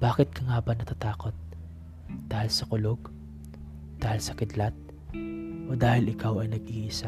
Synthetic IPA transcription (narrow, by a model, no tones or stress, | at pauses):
b̥aːkɪt̪̚kɐŋaːbɐnɐt̪at̪aːko̞t̪̚ | d̪̥aːhɪlsɐkʊloɡ | d̪̥aːhɪlsɐkɪd̪lat̪̚ | ʔo̞d̪aːhɪlɪkawɐjnɐɡ̚ʔiʔɪsa